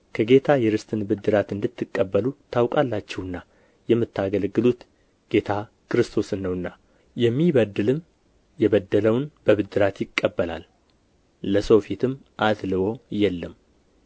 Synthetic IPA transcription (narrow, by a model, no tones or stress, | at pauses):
kʰəɡe̞t̪ʰajɛɾɨst̪ʰʼɨnbɨd̪ːɨɾat̪ɨnd̪ɨt̪ʰːɨkʼːəbːəlut̪ʰawkʼalːat͡ʃːɛwɨnːa | jɛmːɨt̪ːaɡəlɡɨlut̪ | ɡ̥e̞t̪ʰa | kʰɨɾɨst̪ʰo̞sɨnːəwɨnːa | jɛmːiβəd̪ːɨlɨm | jɛβəd̪ːələwnb̥əβɨd̪ːɨɾat̪jɪkʼːəbːəla̰lː | əso̞fet̪ʰɨmʔat̪lɨwo̞jɛlːəm